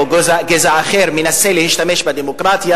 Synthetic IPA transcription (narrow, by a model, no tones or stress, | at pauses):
oɡozaɡezaːχeɾmenaselehiʃt̪ameʃbad̪emokʁat̪ja